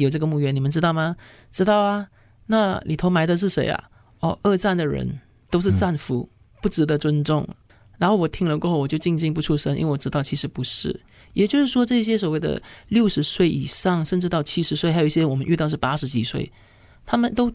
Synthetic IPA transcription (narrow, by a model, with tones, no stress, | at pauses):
jo˨˩ʊʈ͡ʂɤ˥˩ɡə˩mu˥˩ɥɛ˥ni˨˩mə˦nʈ͡ʂɻ̩˥t̪ɑ˥˩ʊmɐ˩ | ʈ͡ʂɻ̩˥t̪ɑ˥˩ʊɐ˨˩ | na˥˩lḭ˨˩t̪ʰo˧˥ʊma˧˥ɪd̪ə˧ʂ̬ɻ̩˥˩ʂe˧˥ɪɐ̰˧ | ɔ˥˧ɤ˥˧ʈ͡ʂa˥˩nd̪ə˩ɻə̰˧˥n | t̪o˥ʊʂ̬ɻ̩˥˩t͡sa˥˩nfu˧˥ | pu˥˩ʈ͡ʂɻ̩˧˥d̪ə˨t͡swə˥nʈ͡ʂʊ˥˩ŋ | ɻa˧˥nxo˥˩wɔ˨˩t̪ʰi˥ŋlə˧kwɔ˥˧xo˥˩wɔ˨˩t͡ɕo˥˧ʊt͡ɕi˥˧ŋt͡ɕi˥˧ŋpu˥˧ʈ͡ʂʰu˥˩ʂə˥ŋḭ˥we˥˩wɔ˨˩ʈ͡ʂɻ̩˥t̪ɑ˥˩ʊt͡ɕʰi˧˥ʂɻ̩˧˥pu˧˥ʂɻ̩˥˩ | jɛ˨˩t͡ɕjo˥˧ʊʂɻ̩˥˩ʂwɔ˥ʈ͡ʂɤ˥˧i˥˩ɕ̬jɛ˥swɔ˨˩we˥˩ɪd̪ə̰˩ljo˥˩ʊʂɻ̩˧˥swe˥˩ɪʔi˨˩ʂɑ˥˧ŋʂə˥˧nʈ͡ʂɻ̩˥˧t̪ɑ˥˩ʊt͡ɕʰi˥ʂɻ̩˧˥swe˥˩ɪxjo˨˩i˥˩ɕɛ˥˧˥wɔ˨˩ə˦nʔy˥˧t̪ɑ˥˧ʊʂ̬ɻ̩˥˩pa˥ʂɻ̩˧˥t͡ɕi˨˩swe˥˩ɪ | t̪ʰa˥mə˨nt̪o˥ʊ